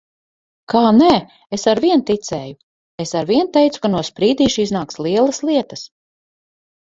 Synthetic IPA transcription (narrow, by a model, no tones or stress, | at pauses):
kʰaːnɛ | esaɾviɛnt̪it̪sɛːju | esaɾviɛnt̪ɛjt̪su̥kanuɔspɾiːd̪iːʃiznaːkslˠiɛlˠɐslˠiɛt̪ɐs